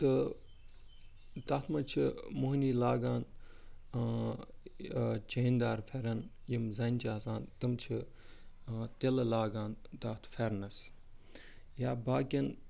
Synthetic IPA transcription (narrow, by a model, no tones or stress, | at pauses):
t̪ɨ | t̪ɐt̪ʰmɐt͡ʃʰimuɦniːlaːɡaːn | t͡ʃɐɦind̪aːɾfeɾɐnjimzɐnt͡ʃaːzaːnt̪ɨmt͡ʃʰi | t̪elɐlaːɡaːnt̪ɐt̪ʰfeɾnɐs | jaːbaːkʲin